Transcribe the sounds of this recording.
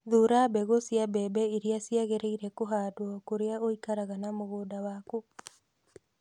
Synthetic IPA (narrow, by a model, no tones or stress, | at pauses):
ðuɾabɛɣosjabɛbɛeɾiasjaɣeɾeiɾɛkoɦadwɔkoɾeaoikaɾaɣanamoɣoːdawako